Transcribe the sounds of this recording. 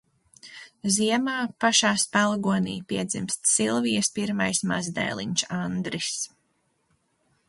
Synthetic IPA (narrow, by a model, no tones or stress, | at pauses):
ziɛmaːpaʃaːspælˠɡuɔnḭːpiɛd̪zimst̪silˠvijɐspiɾmajsma̰zd̪ɛ̰jlˠḭɲt͡ʃand̪ɾis